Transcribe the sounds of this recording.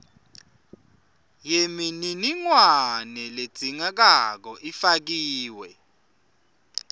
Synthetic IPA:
jemininiŋwanɛled̥z̥ʱiŋak̬ak̬ɔʔifak̬iːwɛ

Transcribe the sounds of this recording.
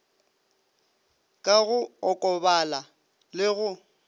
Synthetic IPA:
kʼaɣʊɔkʼɔbala | lɪɣʊ

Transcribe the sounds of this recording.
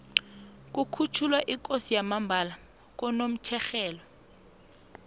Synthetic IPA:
k̬ʼukʰut͡ʃʰulwaʔikʼosijamambʱala | k̬ɔnom̩t͡ʃʰɛxɛːlɔ

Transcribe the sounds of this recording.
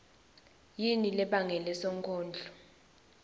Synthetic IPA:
jinilɛɓaŋɛlɛsɔŋkʰʼɔːnd͡ɮʱɔ

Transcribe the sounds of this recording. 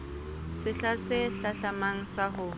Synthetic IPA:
sɪɬasɪɬaɬamaŋ̩sahʊ

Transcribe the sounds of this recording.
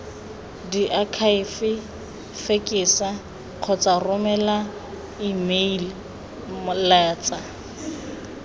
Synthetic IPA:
diʔakʰaɪfɪ | fekʼɪːsa | q͡χʰɔt͡sʼarʊmɛla | imel | mʊlaːt͡sʼa

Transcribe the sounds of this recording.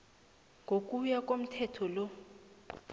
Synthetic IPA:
ŋɡʱok̬ʼujak̬ʼom̩tʰɛtʰɔlɔ

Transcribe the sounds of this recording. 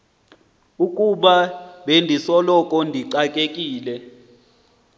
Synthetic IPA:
ukʼuɓaɓendʱisɔlɔkʼɔndʱiǀakʼekʼiːlɛ

